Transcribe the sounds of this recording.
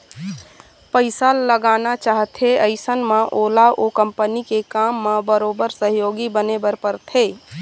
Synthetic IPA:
pəɪsalːəɡaːnat͡ʃaːɦt̪ʰeəɪsənmãʔoːlaʔokə̃mpənikekaːmːãbəɾoːbəɾsəɦjoːɡibənebəɾpəɾt̪ʰeː

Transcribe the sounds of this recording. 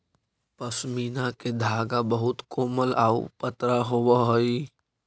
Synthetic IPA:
pəsmiːnaked̪ʱaːɡabəɦʊt̪koːməlaːṵpət̪ɾaɦowəɦoi

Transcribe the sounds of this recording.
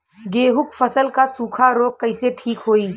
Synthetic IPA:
ɡeːɦʊkpʰəsəlkasuːkʰaɾoːɡ̚kəɪseʈʰiːkɦoːiː

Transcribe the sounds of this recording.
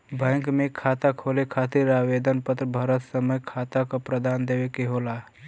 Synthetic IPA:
bʱə̃ŋkmekʰat̪akʰolekʰat̪iɾaʋed̪ənpət̪ɾəbʱəɾət̪səməjkʰat̪akopɾəd̪and̪ewekeɦola

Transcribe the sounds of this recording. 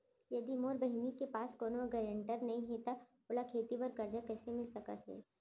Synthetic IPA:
jɐd̪imoːɾbɐɦinikepaːskoːnoɡəɾəɳʈəɾnɐɦĩɦet̪a | oːlakʰeːt̪ipɐɾkɐɾd͡ʒakɛːsemɪlsɐka̰t̪ɦɛ̰ː

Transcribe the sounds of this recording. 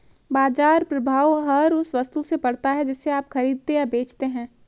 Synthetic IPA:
baːd͡ʒaːɾpɾɐbʱaːʋɦɐɾʊsʋɐst̪usepɐɽt̪aɦɛd͡ʒɪsːeaːpxɐɾiːd̪̚t̪ejabeːt͡ʃt̪eɦɛ̃ː

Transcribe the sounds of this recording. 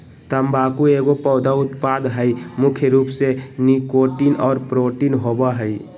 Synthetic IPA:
t̪əmbaːkueɡopɔʊd̪aʊt̪pad̪ɦəimʊkʰjəɾuːpsenikoʈinɔːɾpɾoʈinɦobaɦəi

